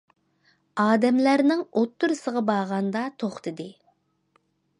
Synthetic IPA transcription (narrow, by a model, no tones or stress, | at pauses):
ɑːd̪ɛmlæɾnɪŋot̪ːuɾɨsəʁɑbɑʁɑnd̪ɑt̪ʰoχt̪ʰɨd̪ɨ